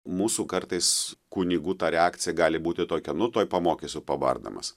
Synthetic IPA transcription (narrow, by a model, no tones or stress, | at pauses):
muːsuːkɐrt̪ɐɪskʊnʲiːɡut̪ɑːɾʲɛɑːkt̪sʲɪjɛɡɑːlʲɪbuːt̪ʲɪt̪oːkʲɛnʊt̪oːjpɐmoːkʲesʲʊpɐʋɐ̰rd̪ɐ̰mɐ̰s